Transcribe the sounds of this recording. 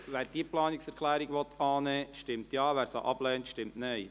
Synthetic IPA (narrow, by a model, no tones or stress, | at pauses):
ʋæːɾd̥iːəplɑːnɪksɛɾkʰlæːɾiɡʋɔt̪ʰɑːnɛːʃtɪmtjɑːʋæːɾsɑ̰ʔɑb̥lɛːntʃtɪmtnɛj